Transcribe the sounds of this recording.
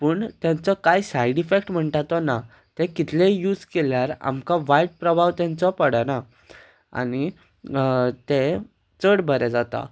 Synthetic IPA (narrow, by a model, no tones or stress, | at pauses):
pəːɳt̪jãnt͡sɔkajsajɽifek̚ʈm̤əɳʈat̪ɔna | t̪ẽkit̪ʰlejuːd͡zkeljaɾa̰mkaʋajiʈ̚pɾəbʱaʋt̪jãnt͡sɔpəɽana | a̰ni | t̪ẽ | t͡səɽbʱəɾɛd͡zat̪a̰